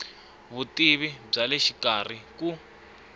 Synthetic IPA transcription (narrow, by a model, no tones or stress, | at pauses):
βutiβib͡ʐaleʃikar̤iku